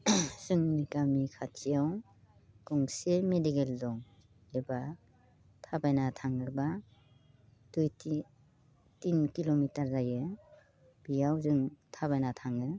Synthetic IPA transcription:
sɯŋnikamikʰatʰijaw | kɔŋsemedikeldɔŋ | eba | tʰabajnatʰaŋɯba | d̥ujti | tinkilomitaɾzajɯ | b̥ijawzɯŋtʰabajnatʰaŋɯ

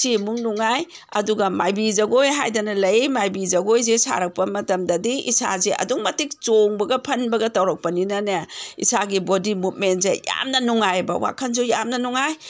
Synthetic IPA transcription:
simuŋnuŋaj | ɐduɡɐmajbizɐɡojɦajdanɐlɐjmajbizɐɡojzesa̰ɾɐk̚pɐmɐtɐmdɐdiʔisa̰zeʔɐ̰duŋmɐtik̚t͡ʃoŋbɐɡɐpʰɐnbɐɡɐtɐwɾɐk̚pɐninɐnɐḭsaɡibodimut̚mentzeja̰mnɐnuŋajbɐ̰wa̰kʰɐnzojamnɐnuŋaj

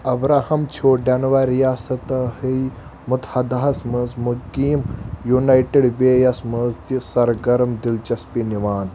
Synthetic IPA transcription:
ɐbɾaːhɐmt͡ʃʰoːɖɐnʋaɾijaːsɐt̪ɐhij | mut̪hɐd̪ɐɦɐsmɐzmukːiːmjunajʈeɽʋeːjɐsmɐzt̪isɐɾɡɐɾmd̪ilt͡ʃɐspiniʋaːn

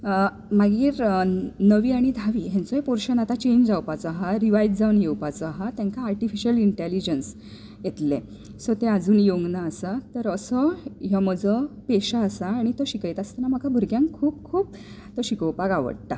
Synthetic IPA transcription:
maɡiːɾnəʋiːaɽ̃id̪ʱaʋiːɦãnt͡soɦepɔɾɕənat̪at͡ɕẽɲd͡ʑd͡zawpat͡sɔaɦaɾiʋajdd͡zaʋunjewpat͡sɔaɦat̪jãŋkaːɾʈifiɕəliɳʈelid͡ʑəns | jet̪le | sɔt̪ead͡zuːnjoŋɡnaːsat̪əɾəsɔɦjaməd͡zəpeɕaːsaːɽ̃it̪oɕikəjt̪ast̪anam̤əkabʱuɾɡjãŋkʰuːp̚kʰuːp̚ | t̪oɕikəwpaɡaʋə̰ɽt̪a

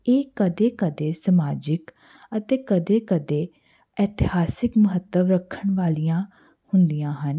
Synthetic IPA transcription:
eːkəd̪eːkəd̪eːsəmaːd͡ʒɪk | ət̪eːkəd̪eːkəd̪eː | ɛːt̪ɪhaːsɪkməɦət̪ːəʋɾəkʰːəɳʋaːlijãː | hʊnd̪ijãːɦən

